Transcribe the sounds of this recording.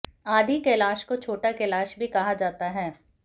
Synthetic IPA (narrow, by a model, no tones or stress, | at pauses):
aːd̪ʱikelaːʃkot͡ʃʰoːʈakelaːʃbʱikɐɦad͡ʒaːt̪aɦɛː